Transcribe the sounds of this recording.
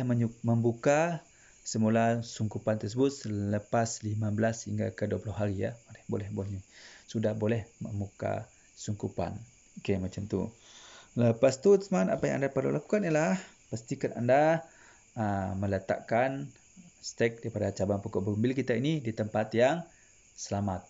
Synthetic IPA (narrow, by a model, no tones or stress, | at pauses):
hməməmbuka | səmulasuŋkupant̪ərs̬əbʊt̪̚sələpaslimabəlashiŋɡa̰kəduapulɔɦaɾija̰madɛhbo̰lɛhboɲusudahbolɛhmə̰mbuka̰ | suŋkupa̰n | kemat͡ʃamt̪ṵ | ləpast̪ut̪əsmaanapaja̰ŋʔa̰ndaparlulaku̥kanilahpast̪ikananda | əmələt̪a̰ʔkan | st̪ɛk̚dɾipadat͡ʃabaŋpukɔʔbəɾumbɪlkit̪ainidit̪əmpat̪jaŋ | səlamat̪̚